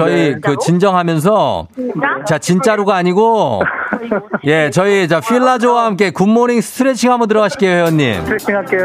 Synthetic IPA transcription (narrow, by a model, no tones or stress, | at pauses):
t͡ɕʌikɯt͡ɕind͡ʑʌŋɦamjʌns̬ʰʌ | t͡ɕat͡ɕint͡ɕ͈aɾuɡaːɲiɡo | je̞t͡ɕʌit͡ɕaɸʰiɭːad͡ʑowaɦamk̬͈e̞kumːoɾiŋsʰɯ̥tʰɯɾet͡ɕʰiŋɦamot̬ɯɾʌɡaɕʰi̥k͈ejoɦeoɲːḭmʰŋak͈e